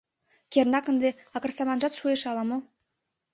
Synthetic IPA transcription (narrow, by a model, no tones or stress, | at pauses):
kʲernɑkə̆nd̪eɑkə̆rsɑmɑnʒɑt̪ʃueʃɑlˠɑmo